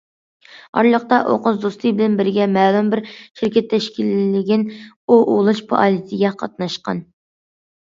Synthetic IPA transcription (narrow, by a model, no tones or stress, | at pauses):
ɑ̰ɾlˠəχt̪ɑʔo̰qʊzd̪ost̪ʰɨjbɪlɛnbɪɾɡʲɛmɛːlˠumbɪɾʃɪɾkʲɛt̪ʰːɛʃkʲilɪːɪɡʲɪn | oʔolˠɨʃpʰo̰ʔɑlit̪ʰɪɡʲɛqʰɑ̰t̪̚nɑʃqɑ̰n